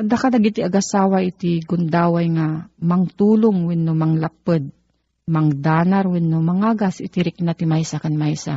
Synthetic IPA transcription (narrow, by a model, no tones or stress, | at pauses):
d̪akalaɡit̪iaɡasaːwaʔɪt̪ɪɡʊnd̪aːwajŋamɐŋt̪uːlʊŋwɪnːomɐŋlap̚ɨd̪̚ | mɐŋd̪aːnaɾwɪnːomɐŋaːɡasɪt̪ɪɾɪk̚nat̪ɪmajsakanmajsa̰